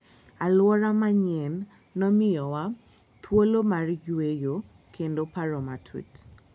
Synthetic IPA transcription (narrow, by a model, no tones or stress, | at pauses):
alwɔɾamaɲɛnː | ɔmɪjɔwa | t̪ʰwolomarjwejo | kʰendopaɾɔmatʰwḭt